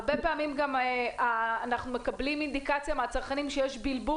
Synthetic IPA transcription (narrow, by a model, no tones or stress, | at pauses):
ʁbepeamimɡamaːnaχnume̞kablimind̪ikat͡sjameat͡saʁkanimʃejeʃbilbu